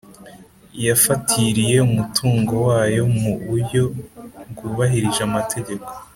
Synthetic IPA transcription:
ijafatʰiɾije̞umutʰuːŋɡo̞waːjo̞muβujo̞ɡuβaɦiɾiʒamatʰe̞ɟe̞ko̞

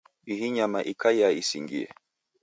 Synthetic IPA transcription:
iɦiɲamaʔikʰaiaisiŋɡḭɛ̰

